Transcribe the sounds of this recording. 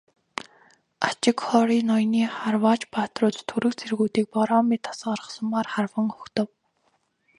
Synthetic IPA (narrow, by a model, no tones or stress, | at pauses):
at͡ɕɪ̆kχɔɾiːnɔjniːχarwaːt͡ɕpaːt̪rʊːt̪t̪ʰuɾɘ̆kt͡sʰerɣuːt̪iːk̚pɔɾɔːmit̪ʰḁsəɔɾə̆χsə̆mːarχarwə̆ŋʊxt̪ə̆w